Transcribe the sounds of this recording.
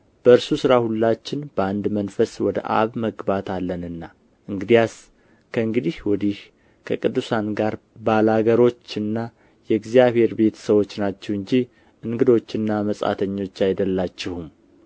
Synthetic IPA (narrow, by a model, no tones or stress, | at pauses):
b̥əɨɾsusɨɾahulːat͡ʃːɪnbəand̪mənfəswɔd̪ə̰ʔa̰βməɡbat̪alːənɨnːa | ʔɨŋɡɨd̪ijas | kʰəɨŋɡɨd̪ihwɔd̪ih | kʰəkʼɨd̪ːusanɡaɾ | balaɡəɾo̞t͡ʃːɨnːa | jɛɡzijaβhe̞ɾbe̞t̪səwo̞t͡ʃːnat͡ʃːɛwɨɲd͡ʒi | ʔɨŋɡɨd̪o̞t͡ʃːɨnːaməsʼa̰t̪ʰəɲːo̞t͡ʃːajd̪əlːat͡ʃːɛhum